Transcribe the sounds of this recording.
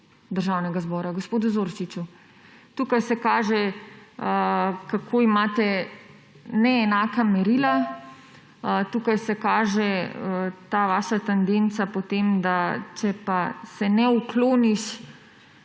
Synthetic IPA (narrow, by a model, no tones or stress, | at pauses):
d̪əɾʒaːwnɛɡazbɔːɾaɡospoːd̪uzoːɾt͡ʃit͡ʃu | t̪uːkajsɛkaːʒɛ | kakʰoːimaːt̪ɛ | nɛːnaːkamɛɾiːla | t̪uːkajsɛkaːʒɛət̪aːʋaːʃat̪ɛnd̪ent̪sapot̪eːmd̪at͡ʃɛpasɛnɛukloːniʃ